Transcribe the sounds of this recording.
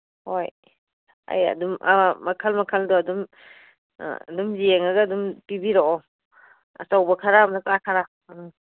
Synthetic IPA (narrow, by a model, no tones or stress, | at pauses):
hoj | a̰ja̰dumamakʰalmakʰaldɔadum̰ | dumzieŋaɡaːdumpibiɾɔɔ | ɐ̰sawbɐkʰaɾamnakakʰaɾa